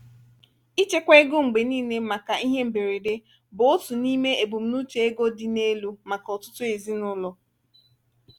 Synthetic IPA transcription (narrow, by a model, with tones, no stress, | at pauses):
i˦t͡ʃe˦kʷe˦ɡʊ˦ŋ͡m̩˨ɡ͡be˨niː˦ne˦ma˨ka˨i˦ɦe˦m̩˨be˨ɾe˨de˦ | bʊ˨o˦tu˨ni˦me˦e˨bu˨m̩˦nu˦t͡ʃe˨e˦ɡo˦dɪ˦ne˦lu˦ma˨kɔ˨tʊ̥˦tʊ˦e˨zi˦nʊ˦lɔ˦